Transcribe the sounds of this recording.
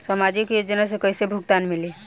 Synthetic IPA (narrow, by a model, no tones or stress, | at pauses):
səmad͡ʒikjod͡ʒənasekəjsebʱuɡt̪anmili